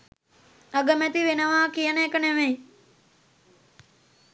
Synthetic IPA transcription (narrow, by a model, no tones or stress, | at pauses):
aɡəmæt̪iʋenəʋaːkijənəekəneʋej